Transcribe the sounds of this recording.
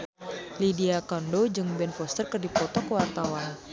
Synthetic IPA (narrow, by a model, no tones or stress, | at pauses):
lidiakɔndod͡ʒɨŋbɛnfɔst̪ərkɨrdipɔt̪ɔkəwart̪awan